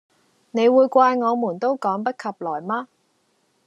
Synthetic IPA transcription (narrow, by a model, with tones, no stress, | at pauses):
ne˨˧jwuː˨˧jkʷwaː˧jŋɔː˨˧muː˨˩nt̪o˥wkɔː˨˥ŋpɐ˥t̚kʰɐ˨p̚lɔː˨˩jmaː˥